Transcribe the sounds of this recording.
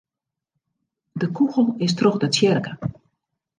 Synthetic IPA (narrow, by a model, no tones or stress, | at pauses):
dəkuɣəlˠɪstroxdət͡sjɛrkə